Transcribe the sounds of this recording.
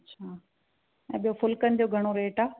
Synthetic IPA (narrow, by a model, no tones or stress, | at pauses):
t͡ɕʰaː | ɛ̰̃ːɓijofʊlkənɪd̪ijoɡʱɐɽ̃oɾeːʈaː